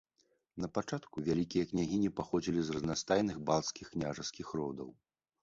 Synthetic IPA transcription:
nɐpat͡ʂat̪kuvʲalʲikʲijɐknʲaɣʲinʲipaxɔd͡zʲilʲizrɐznast̪ajnɨxbalˠt̪skʲixknʲaʐɐskʲixɾɔd̪ɐ̰w

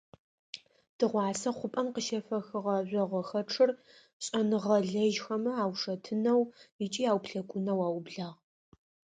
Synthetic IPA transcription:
d̥ɨʁʷɑːsɐχʷʊpʼɐmqəʃɐfɐxɨʁɐʑʷɔʁʷɐxɐʈ͡ʂʰɨr | ɕʼɐnɨʁɐɮɐʒxɐmɐaːwʂɐtʰɨnɐwit͡ʃʼiːaːwpʰɬɐkʷʼʊnɐwaːwbɮaːʁ

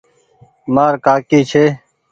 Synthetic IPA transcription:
maːɾkaːkiːt͡ʃʰeː

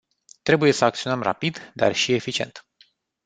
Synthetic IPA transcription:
t̪ɾe̞buje̞səakt̪sio̞nəmra̰pid̪d̪a̰rʃiefit͡ʃie̞̰nt̪

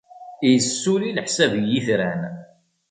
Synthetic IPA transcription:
ijsːuɾilħsævjːiθɾæn

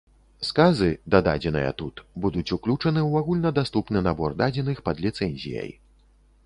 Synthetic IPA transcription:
skazɨd̪ad̪a̰d͡zʲɛnɨ̰jɐ̰t̪ut̪bud̪ut͡sʲuklʲut͡ʂɐnɨwaɣulʲnɐd̪ast̪upnɨnabɔrd̪ad͡zʲɛnɨxpɐd̪lʲit̪sɛnʲzʲḭjɐ̰j

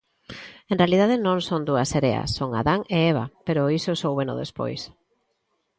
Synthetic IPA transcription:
ẽnrealiðaðenõŋsond̪uɐseɾeɐ̰sːoŋa̰ðaŋeeβ̞a̰peɾʊisosowβeno̰ðḛspo̰js

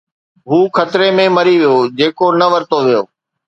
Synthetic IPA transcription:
ɦuːkʰɐt̪ɾemẽmɐɾiʋijoːd͡ʑeːkonɐʋəɾt̪oʋijoː

